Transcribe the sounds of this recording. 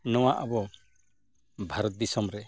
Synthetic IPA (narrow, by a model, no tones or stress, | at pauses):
nɔwaʔabɔ | bʱaɾɔt̪̚d̪isɔmɾɛ